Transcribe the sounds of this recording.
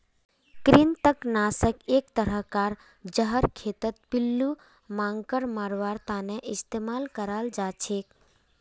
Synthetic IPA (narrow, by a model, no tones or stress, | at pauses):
kɾint̪əknaːsəkeːkt̪əɾəkaːɾ | d͡ʒəɦəɾkʰet̪ət̪̚pilːu | mãŋɡkəɾmaɾʋaɾt̪aːneʔɪst̪eːmaːlkəɾald͡ʒaːt͡ʃʰeːk